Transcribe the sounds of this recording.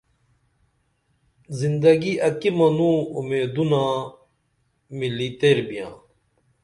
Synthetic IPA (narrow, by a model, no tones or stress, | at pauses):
zind̪ɐɡiʔɐkimɐnũumeːd̪unãː | milit̪eɾbijã̰ː